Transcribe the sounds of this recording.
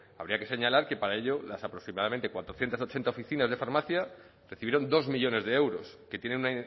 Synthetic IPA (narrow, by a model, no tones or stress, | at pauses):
aβ̞ɾiake̞se̞ɲalaɾke̞paɾaeʎo̞lasapɾo̞ksimaðament̪ekwat̪ɾo̞θje̞nt̪aso̞t͡ʃe̞nt̪aofiθinazðe̞faɾmaθja | reθiβjeɾo̞nd̪o̞zmiʎo̞ne̞zðee̞wɾo̞ske̞t̪je̞nenuna